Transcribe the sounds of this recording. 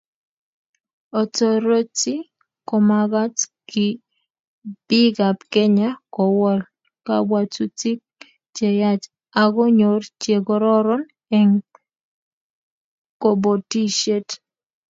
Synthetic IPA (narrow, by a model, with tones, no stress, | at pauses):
ɔ˨to˨ɾo˦ti˦ | kɔ˨ma˨ɡa˦tkɪ˨ | b̥i˦ɡa˨pkɛ˦ɲa˦kɔ˨wɔ˦l | ka̰˦wa˨t͡ʃu˦ti˦k̚ | t͡ʃe˨ja˦t͡ʃ | a˨ɡɔ˦ɲo˨rt͡ʃe˨ɡɔ˦ɾɔ˦ɾɔ˦n | e˨ŋ | ko˨bo˨ti˦ʃe˦t